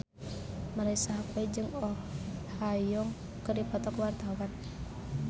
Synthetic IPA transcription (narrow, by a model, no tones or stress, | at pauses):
maɾasaɦakwɛd͡ʒɨŋɔhajɔŋ | kɨrdipɔt̪ɔkwart̪awan